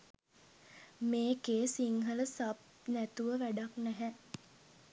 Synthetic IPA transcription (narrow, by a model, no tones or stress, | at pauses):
meːkeːsiŋɦələsap̚næt̪uʋəʋæɖaknɛɦɛ